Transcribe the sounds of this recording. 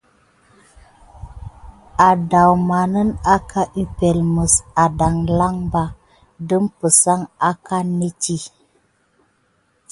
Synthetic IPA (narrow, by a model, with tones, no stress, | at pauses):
a˨da˨wma˨nə˦na˦kʰa˦ʔi˦pe˨lmə˨sa˨da˨ŋla˦ŋba˦ | də˦mpə˨sa˦ŋa˦ka˦ne˦t͡ʃi˦